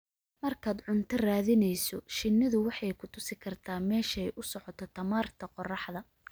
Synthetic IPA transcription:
mɐrkʰaːd̪ʕʊnt̪ʰɐraːðɪnɛjsɔʃɪnːɪðʊwɑħɑjkʰʊt̪ʰʊsɪkʰɐrt̪ʰaːmɛːʃɛjʔʊsɔʕɔt̪ʰɔt̪ʰɐmaːrt̪ʰɐqɔrɑħðɐ

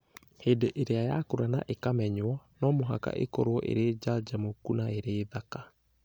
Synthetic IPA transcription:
heːndeʔeɾeaja̰koɾana̰ʔekamɛɲwɔnɔmoɦa̰ka̰ʔḛkɔɾwɔʔḛɾeːd͡ʒad͡ʒamokunaeɾeːðaka

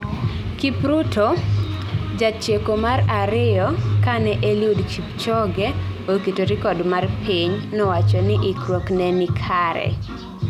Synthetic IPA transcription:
kipɾutʰo | d͡ʒat͡ʃjekomaraɾɪjɔkanɛʔeludt͡ʃipt͡ʃɔɡɛokitoɾɪkɔdmarpʰiɲnɔwat͡ʃɔnɪʔɪkɾwoknɛnɪkʰaɾɛ̰

